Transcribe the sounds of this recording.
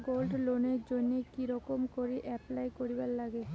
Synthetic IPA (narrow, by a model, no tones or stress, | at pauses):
ɡolɖloneɾd͡ʑonːekiɾɔkomkoɾiʔɛplajkoɾibalːaɡe